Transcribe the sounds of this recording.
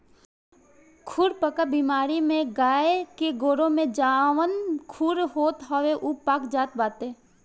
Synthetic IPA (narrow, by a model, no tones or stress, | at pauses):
kʰʊɾpəkəbiːmaːɾimẽɡaːekeɡoːɾõmẽd͡ʒaːʋənkʰʊɾɦoːt̪ɦɔʋeʔuːpaːkd͡ʒaːt̪baːt̪eː